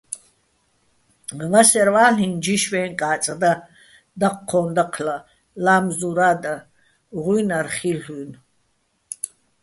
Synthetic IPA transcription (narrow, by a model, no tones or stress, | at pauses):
vasɛɾvaːɬind͡ʒiʃvɛːŋkʼaːt͡sʼd̪a | d̪aqʰːɔnd̪aqʰla | laːmzuɾaːd̪a | ʁujnarχiɬun